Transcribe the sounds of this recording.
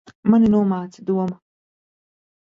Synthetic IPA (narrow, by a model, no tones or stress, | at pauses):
maninuɔmaːt̪sid̪uɔma